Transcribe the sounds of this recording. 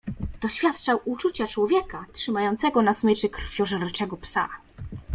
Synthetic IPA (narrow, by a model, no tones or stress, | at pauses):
d̪̥ɔɕfʲjat̪t͡ʂawut͡ʂut͡ɕat͡ʂwɔvʲjɛkatʂɘmajɔnt̪sɛɡɔnasmɘt͡ʂɘkɾ̥fʲjɔʐɛɾt͡ʂɛɡɔpsa̰